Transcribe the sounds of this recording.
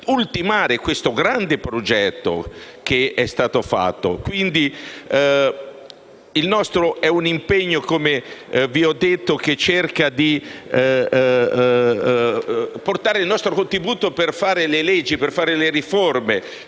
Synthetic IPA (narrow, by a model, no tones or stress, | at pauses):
ult̪imaːɾekwest̪oɡɾand̪epɾod͡ʒɛt̪ːo̰k̟eɛst̪aːt̪ofa̰t̪ːo̰kwind̪i | ilnɔst̪ɾoʔɛunimpeɲːokomeviɔd̪ːet̪ːok̟et͡ʃːerkad̪i | port̪aːɾeilnɔst̪ɾokont̪ɾibuːt̪operfaːɾelelɛd͡ʒːiperfaːɾeleɾiforme